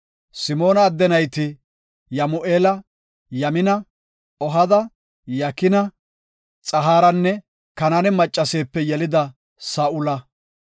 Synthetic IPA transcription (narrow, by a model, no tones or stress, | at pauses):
sɪmo̞ːnɐːd̪ːɛnɐjt̪ɪ | jɐmʊʔeːlɐ | jɐmɪnɐ | ɔɦɐd̪ɐ | jɐkɪnɐ | t͡sʼɐɦaːɾɐnːɛ | kɐnɐnɛmɐt͡ʃʼːɐse̞ːpːɛjɛlɪd̪ɐ | saːʔʊlɐ